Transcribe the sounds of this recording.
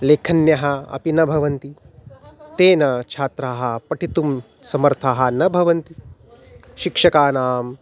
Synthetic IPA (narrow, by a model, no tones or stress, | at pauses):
leːkʰɐnjɐɦɐɐ̰pinɐbʱɐʋɐnt̪i | t̪eːnɐt͡ʃʰaːt̪ɾaːɦɐ̆pɐʈʰit̪um | sɐmɐɾt̪ʰaːɦɐ̆nɐbʱɐʋɐnt̪i | ʃikʂɐkaːnaːm